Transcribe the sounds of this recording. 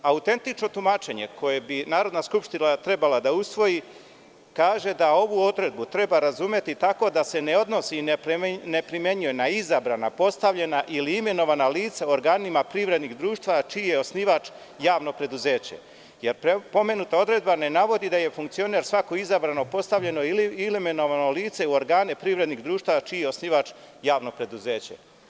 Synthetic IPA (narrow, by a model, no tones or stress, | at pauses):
aut̪e̞nt̪it͡ʃno̞t̪umat͡ʃe̞ɲe̞kʰo̞je̞binaːɾo̞d̪naskupʃt̪inat̪ɾe̞balad̪ausʋo̞ji | kaːʒe̞d̪ao̞ʋuod̪ɾe̞d̪̚but̪ɾe̞baɾazumje̞t̪it̪ako̞d̪ase̞ne̞o̞d̪no̞si | ne̞pɾimje̞ɲuje̞naizabɾanapo̞st̪aʋʎe̞naʔiliime̞no̞ʋanaliːt̪saoɾɡaːnimapɾiʋɾe̞d̪niɣd̪ɾuːʃt̪ʋat͡ʃiːjeo̞sniʋat͡ʃ | jaːʋno̞pɾe̞d̪uze̞ːt͡ɕe̞̰ | je̞ɾpepo̞me̞nut̪ao̞d̪ɾe̞d̪bane̞naʋo̞d̪id̪aje̞fuŋkt̪sio̞ne̞ɾsʋako̞izabɾano̞po̞st̪aʋʎe̞no̞iliilimeno̞ʋano̞liːt̪se̞uo̞ɾɡaːne̞pɾiʋɾe̞d̪niɣd̪ɾuːʃt̪aat͡ʃiːjeo̞sniʋat͡ʃ | jaːʋno̞pɾe̞d̪uze̞ːt͡ɕe̞̰